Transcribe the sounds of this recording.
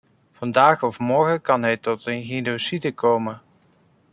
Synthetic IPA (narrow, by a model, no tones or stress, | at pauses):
v̥ɑndaːχɔfmɔɹχəkɑnɦɛjtɔtənɣenosidəkowmə